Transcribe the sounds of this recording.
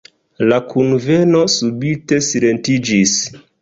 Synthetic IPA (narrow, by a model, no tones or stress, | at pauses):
lakunve̞no̞subite̞silentid͡ʒis